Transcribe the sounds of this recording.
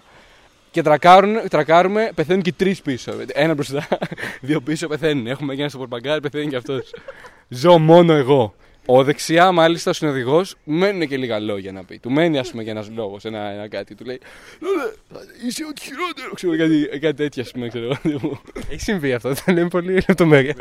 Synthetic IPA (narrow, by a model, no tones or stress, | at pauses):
ce̞t̪ɾɐkɐɾunt̪ɾɐkɐɾume̞peθe̞nuncet̪ɾispisoet̪ienɐbɾost̪ɐðio̞pisope̞θe̞nunexumeʝɐnɐst̪opoɾpɐɡɐɾipe̞θenicɐft̪o̞s | zo̞mo̞no̞e̞ɣo̞ | oðe̞ksiɐmɐlist̪ɐosino̞ðiɣo̞sme̞nune̞ce̞liɣɐlo̞ʝɐnɐpḭt̪ume̞niɐspumeʝɐenɐzlo̞ɣo̞se̞nɐenɐkɐt̪i̥t̪uleiloleɐiseot̪i̥çiɾot̪eɾokseukɐt̪ikɐt̪it̪e̞t̪çɐːspumekse̞ɾoɣot̪imueçi̥siɱviɐft̪oenemipo̞lilep̚t̪o̞meɾiɐ